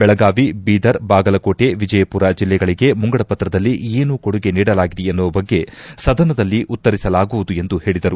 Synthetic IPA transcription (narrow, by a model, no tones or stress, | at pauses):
bɛɭɐɡaːʋibiːd̪ɐɾbaːɡɐlɐko̞ːʈe̞ʋid͡ʒɐjɐpuːɾɐd͡ʒilːɛɡɐɭiɡe̞muŋɡɐɽɐpɐt̪ɾɐd̪ɐlːieːnuko̞ɽuɡe̞niːɽɐlaːɡid̪eenːuʋɐbɐɡːe̞sɐd̪ɐnɐd̪ɐlːiʔut̪ːɐɾisɐlaːɡuʋud̪ue̞nd̪uhe̞ːɭid̪ɐɾu